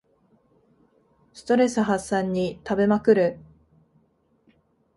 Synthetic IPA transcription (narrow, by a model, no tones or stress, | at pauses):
sɨ̥t̪o̞ɾe̞sɨɦasːãɲ̟ːit̪abe̞makɯ̟ɾɯ̟